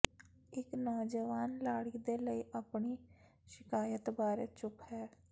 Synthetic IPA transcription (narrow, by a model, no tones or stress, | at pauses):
ɪknoːd͡ʒəʋaːnlaːɽiːd̪eːləiːʔapɳiː | ʃɪkaːjət̪baːɾeːt͡ʃʊphɛː